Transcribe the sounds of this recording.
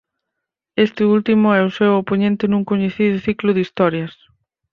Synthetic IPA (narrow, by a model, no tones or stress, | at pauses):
est̪ɪult̪imʊɛʊsɛwopoɲẽnt̪ɪnuŋkoɲeθiðʊθiklʊðist̪ɔɾjɐs